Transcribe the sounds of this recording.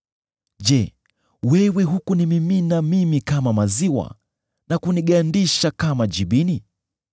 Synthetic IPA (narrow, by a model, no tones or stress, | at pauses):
ʄɛ | wɛwɛɦukunimiminamimikamamaziwa̰ | nakuniɠaːndiʃakamaʄiɓini